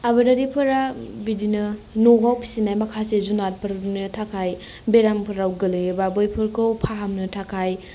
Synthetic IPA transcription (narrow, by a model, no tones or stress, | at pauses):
abɐɾaɾipʰɯɾabidinɐ | noɡawpʰi̥sinajmakʰasezunat̚pʰɐɾdnɯtʰakʰaj | beɾampʰɯɾawɡɐlɯjbabɯjpʰɯɾkowpʰaɦamnɯtʰakʰaj